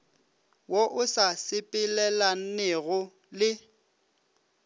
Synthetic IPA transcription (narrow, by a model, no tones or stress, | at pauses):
woʔʊsasɪpʼɪlɛlan̩nɛɣʊ | lɪ